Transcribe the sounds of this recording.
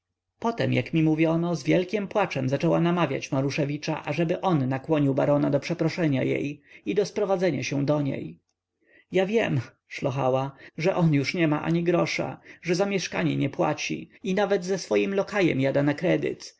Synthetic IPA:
pɔt̪ɛmjakmʲimuvʲjɔnɔzvʲjɛlkʲɛmpwat͡ʂɛmzat͡ʂɛwanamavʲja̰t͡ɕmaɾuʂɛvʲit͡ʂa̰ʔaʐɛbɘʔɔnːakwɔɲiwba̰ɾɔnad̪ɔpʂɛpɾɔʂɛɲa̰jḛjid̪ɔspɾɔvad̪zɛɲaɕɛw̃d̪ɔɲḛj | javʲjɛm | ʂlɔxa̰waʐɛʔɔnjuʂɲɛmaʔa̰ɲiɡɾɔʂa̰ʐɛzamʲjɛʂkaɲɛ̰ɲɛpwa̰t͡ɕḭinavɛd̪zɛsfɔjimlɔkajɛ̰mjad̪anakɾɛd̪ɘ̰t̪

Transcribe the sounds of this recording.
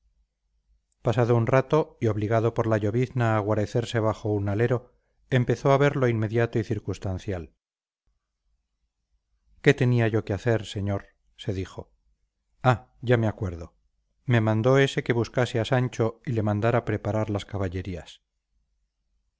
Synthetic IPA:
pasaðounrat̪o̞io̞βliɣ̞aðo̞po̞ɾlaʎo̞βiθnaːɣ̞waɾe̞θe̞ɾse̞β̞aχo̞unaleɾo̞ | e̞mpe̞θo̞aβe̞ɾlo̞inme̞ðjat̪oiθiɾkust̪anθjal | ke̞t̪e̞niaʝo̞keaθe̞ɾse̞ɲoɾ | se̞ðixo̞ | a | ʝameakwe̞ɾðo̞ | me̞mãnd̪o̞e̞se̞ke̞βuskaseasant͡ʃo̞ile̞mãnd̪aɾapɾe̞paɾaɾlaskaβaʎe̞ɾias

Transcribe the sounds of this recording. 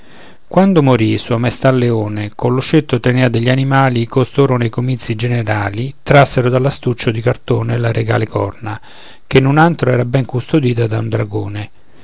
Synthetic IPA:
kwand̪ʊmoɾisuamɛst̪alːeoːnekolːʊʃet̪ːot̪eneːad̪eʎːanimaːlikost̪oːɾonejkomit̪sːid͡ʒeneɾaːlit̪ɾasːeɾʊd̪alːast̪ut͡ʃːʊd̪ikart̪oːnelaɾʔeɡa̰ːlekɔ̰rna | k̟enːunant̪ɾoɛːɾabɛŋkust̪od̪iːt̪ad̪aund̪ɾaɡoːnɪ

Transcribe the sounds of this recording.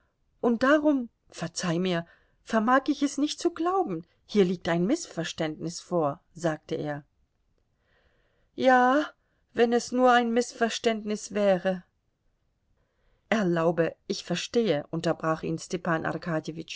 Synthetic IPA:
ʔʊnt̚d̥aʁʊm | fɛɐt͡saɪmiːɐ | fɛɐmaːkɪçɛsnɪçt̚t͡suɡlaʊbm̩ | hiːɐliːk̚taɪnmɪsfɛɐʃtɛntnɪsfoːɐ | zaːk̚təʔḛːɐ | jaː | vɛnɛsnuːɐaɪnmɪsfɛɐʃtɛntnɪsv̥ɛːʁə | ʔɛɐlaʊbəʔɪçfɛɐʃteːəʔʊntɐbʁaːχḭːnstɛpaːnʔa̰ʁkʰaːdjevɪt͡ʃ

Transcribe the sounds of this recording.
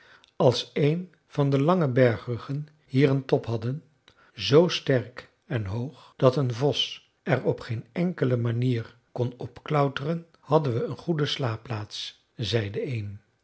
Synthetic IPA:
ɑlˠsejn | v̥ɑndəlɑŋəbɛɹχrəχən | hiːrəntɔpɦɑdən | zowstɛrk | ɛnɦowχd̥ɑtənvɔs | ɛɹɔpχejnɛŋkələmaniːr | kɔnɔpklœwtərən | hɑdənʋəənχudəslaːplaːts | zɛjdəejn

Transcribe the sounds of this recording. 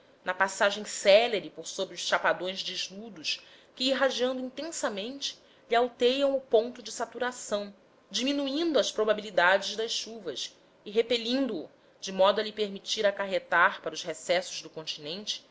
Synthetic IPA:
nɐpasaʒẽj̃sɛleɾɪpoɾsobɾiʊʃʃapad̪õj̃zd͡ʒɪʒlud̪ʊʃ | kɪiɦad͡ʒiɐ̃nd̪ʊĩnt̪ẽsɐmẽnt͡ʃɪ̥ | ʎiawt̪ejɐ̃w̃ʊpõnt̪ʊd͡ʒɪsat̪uɾasɐ̃w̃ | d͡ʒiminuĩnd̪ʊɐspɾobabilid̪ad͡ʒɪzd̪ɐsʃuvɐs | ɪɦepeʎĩnd̪ʊː | d͡ʒɪmɔd̪ʊɐlipeɾmit͡ʃiɾakaɦet̪aɾpaɾɐʊzhesɛsʊzd̪ʊkõnt͡ʃinẽnt͡ʃɪ̥

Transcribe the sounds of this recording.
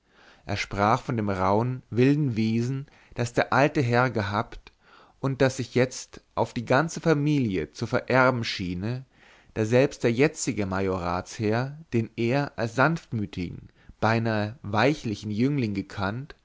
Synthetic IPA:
ʔḛːɐʃpʁ̥aːχfɔndeːmʁaʊənvɪldn̩veːzn̩ | d̥asd̥eːɐʔaltəɦɛɐɡəɦaːpt | ʔʊnt̚d̥asz̥ɪçjɛt͡stʔaʊfd̥iːɡant͡səfamiːljət͡sufɛɐʔɛɐbm̩ʃiːnə | d̥aːzɛlpst̚d̥eːɐjɛt͡sɪɡəmajoʁaːt͡shɛːɐd̥eːneːɐʔalsz̥anftmyːtʰɪɡŋ̩ | b̥aɪnaːvaɪçlɪçn̩jʏŋlɪŋɡəkʰant

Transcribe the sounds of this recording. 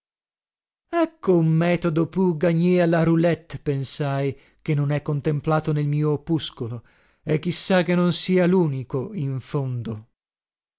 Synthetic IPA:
ɛkːoumːɛːt̪od̪opjuɡaɲːealaɾulɛt̪ːpensaj | k̟enːonɛkːont̪emplaːt̪onelmiːopuskolo | ek̟ːisːak̟enːonsiːaluːnikoiɱfond̪o

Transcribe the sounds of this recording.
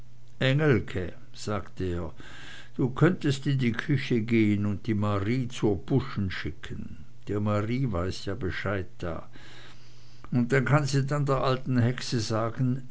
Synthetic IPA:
ʔɛŋəlkʰə | z̥aːktəeːɐ | d̥uːkʰœntəstɪndiːkʰʏçəɡeːənʊnt̚d̥iːmaʁiːt͡suːɐb̥ʊʃn̩ʃɪkʰən | d̥eːɐmaʁiːvaɪsjaːbəʃaɪt̚d̥a̰ː | ʊnt̚d̥ankʰanziːdandeːɐʔaltn̩hɛksəzaːɡn̩

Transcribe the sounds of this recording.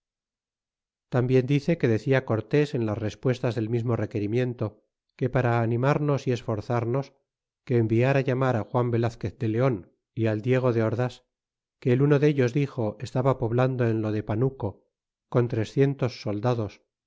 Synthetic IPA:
t̪ambje̞nd̪iθe̞ke̞ðe̞θiako̞ɾt̪e̞se̞nlasre̞spwe̞st̪azðe̞lmizmo̞re̞ke̞ɾimje̞nt̪o̞ | ke̞paɾaːnĩmaɾno̞sie̞sfo̞ɾθaɾno̞s | ke̞ːmbiaɾaʝamaɾaxwambe̞laθke̞θd̪e̞le̞o̞n | iald̪je̞ɣ̞o̞ðe̞oɾðas | keːluno̞ðe̞ʎo̞zðixo̞e̞st̪aβapo̞βland̪o̞e̞nlo̞ðe̞panuko̞ | ko̞nt̪ɾe̞sθje̞nt̪o̞sːo̞ld̪aðo̞s

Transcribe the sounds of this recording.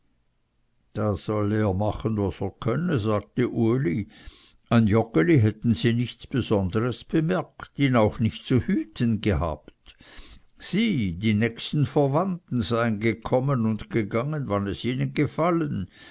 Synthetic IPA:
d̥az̥ɔleːɐmaχənvaseːɐkʰœnəzaːɡ̥̚təʔuəli | aɪnjɔkəliɦɛtn̩ziːnɪçt͡sb̥ezɔndəʁəsb̥əmɛɐktiːnaʊxnɪçtt͡suhyːtʰənɡəha̰ːpt | z̥iːdiːnɛːçstn̩fɛɐvantn̩zaɪənɡəkʰɔmənʊndɡ̥eɡaŋənvanɛsiːnənɡəfalən

